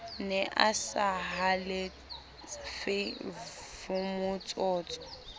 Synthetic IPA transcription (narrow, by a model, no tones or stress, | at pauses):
nɛʔasaɦalɪ | fɪ | vʊmʊt͡sʼɔːt͡sʼɔ̥